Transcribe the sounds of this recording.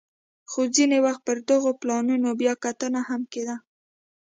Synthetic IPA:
xod͡zinewaxt̪̚pəɾd̪əɣoplɑnunobjɑkat̪ənahamked̪a

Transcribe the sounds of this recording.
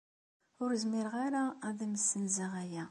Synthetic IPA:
ʊɾzmɪɾʁaɾaðæməsːənzəʁæjæ

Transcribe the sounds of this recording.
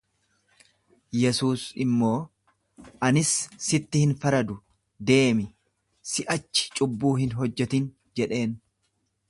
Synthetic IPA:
jɛsuːsɪmːo̞ː | ʔɐnɪsːɪt̪ːɪhɪnfɐɾɐd̪ʊ | d̪e̞ːmɪ | sɪʔɐt͡ʃːɪ̥t͡ʃʼʊbːuːɦɪnɦɔd͡ʒːɛt̪ɪn | d͡ʒɛᶑe̞ːn

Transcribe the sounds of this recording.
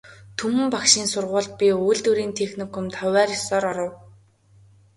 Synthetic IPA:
t̪ʰumɘ̆mpakʃiːnsʊrʁʊːɮt̪̚pʲiujɮt̪uɾiːnt̪ʰexnikʰʊ̆mt̪ʰœwæːɾjɔsɔːɾɔɾɞ̆w

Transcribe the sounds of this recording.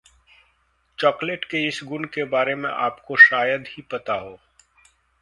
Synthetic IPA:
t͡ʃɔːkleʈkeɪsɡʊnkebaːɾemḛ̃ʔaːpkoʃaːjəd̪hipɐt̪aɦoː

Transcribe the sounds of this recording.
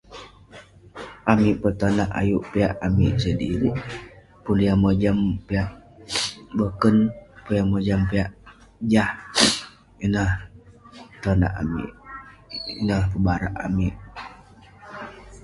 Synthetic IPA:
ʔamiʔpət̪anaʔa̰juʔpiaʔamiʔsədiɾi | puliaməd͡ʒampiaʔ | bəkənpulaməd͡ʒampiaʔ | d͡ʒah | inah | t̪ona̰ʔa̰mḭʔ | ḭnahpəbaɾaʔa̰miʔ

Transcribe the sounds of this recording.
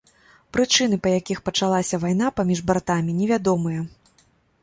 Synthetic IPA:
pɾɨt͡ʂɨn̪ɨpɐjakʲixpɐt͡ʂalˠasʲɐvajn̪apamʲiʐbart̪amʲinʲɛvʲad̪ɔmɨjɐ

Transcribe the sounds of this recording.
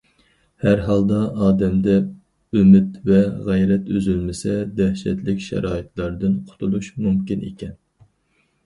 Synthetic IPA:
hæɾɦɑlˠd̪ɑɑːd̪ɛmd̪ɛ | ømɪt̪vɛʁæjɾɛt̪øzylmɪsɛd̪ɛhʃɛ̰t̪lɪkʲʃɛ̰ɾɑːit̪ʰlˠɑɾd̪ɨnqʰʊ̥t̪ʰulˠuʃmumkʲinḛkʲʰɛn

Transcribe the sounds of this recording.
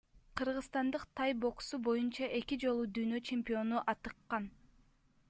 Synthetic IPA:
qʰɯɾʁɯzst̪ɑnd̪ɯqt̪ʰɑjbo̞ksubo̞junt͡ʃɑʔe̞kid͡ʒo̞lˠud̪yːnø̞t͡ʃe̞mʲpʲio̞nuʔɑt̪ɯqːɑn

